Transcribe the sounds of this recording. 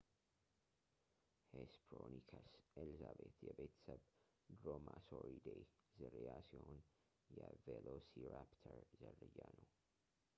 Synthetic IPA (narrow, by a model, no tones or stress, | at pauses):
hespʰɾonikʰəselizabet̪ʰjɛbet̪ʰə̥səb | d̪ɾomasoɾid̪ejzɨɾjasihon | jɛvelosiɾapt̪ʰəɾzərːɨjːanəw